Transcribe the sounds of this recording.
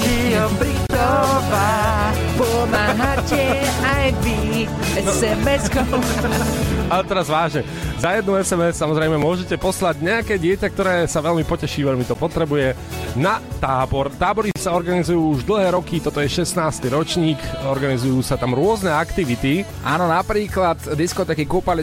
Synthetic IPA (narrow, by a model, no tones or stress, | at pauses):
kiɔmpɾit̪ɔba | pɔmaːɦacɛajʋi | ɛsɛmɛskɔ | alɛt̪ɛɾazʋaːʒɲɛ | zajɛd̪nuɛsɛmɛssamɔzɾɛjmɛmʊɔʒɛcɛpɔslaɟɲɛakɛːɟɪɛcak̚t̪ɔɾɛːsaʋɛʎmipɔcɛʃiːʋɛʎmit̪ɔpɔt̪ɾɛbujɛ | nat̪aːbɔɾt̪aːbɔɾisaɔɾɡanizujuːuʒd̪l̩ˠɦɛːɾɔkit̪ɔt̪ɔjɛʃɛsnaːst̪iɾɔt͡ʃɲiːkɔɾɡanizujuːsat̪amɾʊɔznɛakt̪iʋit̪i | ʔa̰ːnɔnapɾiːklat̪d̪iskɔt̪ɛːkikupal